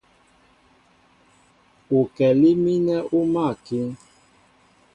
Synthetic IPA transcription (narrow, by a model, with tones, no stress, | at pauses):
u˨kɛ˨li˦mi˦nɛ˦ʔu˦ma˦˨ki˦ŋ